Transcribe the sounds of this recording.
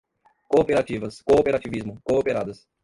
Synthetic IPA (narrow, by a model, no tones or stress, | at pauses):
koːpeɾat͡ʃivɐskoːpeɾat͡ʃivizmʊkoopeɾad̪ɐs